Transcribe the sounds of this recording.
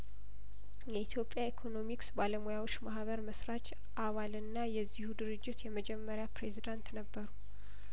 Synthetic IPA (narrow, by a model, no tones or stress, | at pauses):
jɛit̪ʰjo̞pʼjaikʰo̞no̞miksbaləmojawot͡ʃːmahβəɾməsɾat͡ʃ | ʔaβalɨnːajɛzːihud̪ɨɾɨd͡ʒːɪt̪jɛməd͡ʒɛmːəɾjapɾe̞zid̪ant̪nəbːəɾu